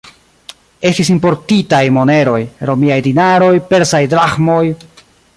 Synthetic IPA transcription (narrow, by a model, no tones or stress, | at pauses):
e̞stis̬impo̞ɾtitajmo̞ne̞ɾo̞jɾo̞miajdinaɾo̞jpe̞ɾsajdɾaxmo̞j